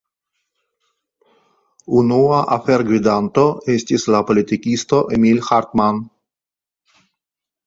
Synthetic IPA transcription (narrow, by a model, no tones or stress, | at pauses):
unuaʔafeɾɡwid̪ant̪oest̪ʲislapolit̪ikʲist̪oʔemilxaɾt̪man